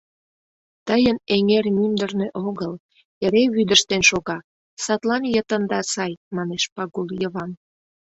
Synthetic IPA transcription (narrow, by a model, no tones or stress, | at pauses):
t̪əjəneŋermymd̪ərnøʔoɣəl | eɾeβyd̪əʃt̪enʃoɣɑ | sɑt̪lɑnjət̪ənd̪ɑsɑjmɑneʃpɑɣuljəβɑn